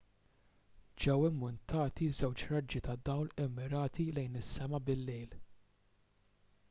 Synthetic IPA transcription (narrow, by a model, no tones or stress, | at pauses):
d͡ʒɛwɪmːʊnt̪ɐːt̪izɛwt͡ʃɾɐd͡ʒːit̪ɐd̪ɐwlɪmːɪɾɐːt̪ilɛjnɪsːɛmɐbɪlːɛjl